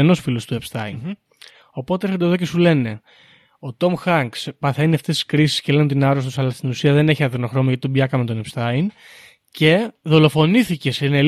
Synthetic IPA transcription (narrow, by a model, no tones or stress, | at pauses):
eno̞sfilo̞st̪uepst̪ɐin | o̞po̞t̪eeɾxod̪eðoce̞sule̞ne̞ | o̞t̪o̞mxɐŋkspɐθe̞niɐft̪est̪i̥skɾisi̥scelenot̪̬inɐɾost̪usɐlɐst̪inusiɐðe̞ne̞çiɐðenoxɾo̞mɐʝɐt̪it̪obiɐkɐment̪o̞nepst̪ɐin | ce̞ðo̞lo̞fo̞niθice̞sne